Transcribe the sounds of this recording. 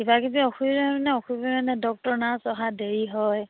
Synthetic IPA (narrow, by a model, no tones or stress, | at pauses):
kibakibiɔxuiɹmanɛɔxubimanɛdɔk̚tɔɹnasɔɦadeɹiɦɔj